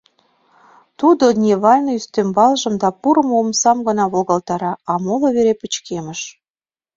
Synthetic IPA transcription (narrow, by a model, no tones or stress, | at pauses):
t̪ud̪onʲeβɑlʲnəyst̪ømbɑlʒə̆md̪ɑpuɾə̆momsɑmɡɤ̆nɑβolɣɑlt̪ɑɾɑɑmolŏβeɾepə̆t͡ɕkemə̆ʃ